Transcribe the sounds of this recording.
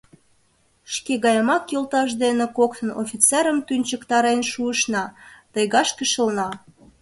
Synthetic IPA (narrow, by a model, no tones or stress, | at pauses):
ʃkeɣɑjəmɑkjolt̪ɑʃ̬d̪enĕkokt̪əno̰fʲit͡seɾəmt̪ynʲt͡ɕəkt̪ɑɾenʃuəʃnɑt̪əjɣɑʃkəʃə̆lnɑ